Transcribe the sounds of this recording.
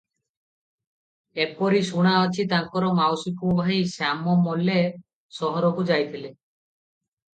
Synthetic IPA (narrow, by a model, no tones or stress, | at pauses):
ek̚pɔɾisuɽ̃aɔt͡ʃʰit̪aŋkɔɾɔmawsikubʱajsamɔmɔle | sɔɦɔɾɔkud͡ʒajt̪ʰile